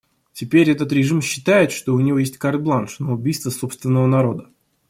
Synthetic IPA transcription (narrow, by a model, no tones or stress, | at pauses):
tʲɪpʲeɾʲɛt̪ət̪ɾʲɪʐɨmɕːɪt̪ajɪt̪ʂt̪oʊnʲɪvojesʲtʲkart̪̚blˠanʂnəʊbʲijst̪vəsopst̪vʲɪnːəvənɐɾo̞d̪ə